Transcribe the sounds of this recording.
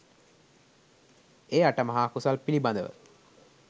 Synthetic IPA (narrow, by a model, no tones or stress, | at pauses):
eːaʈəmɐɦaːkusalpiliband̪əʋə̰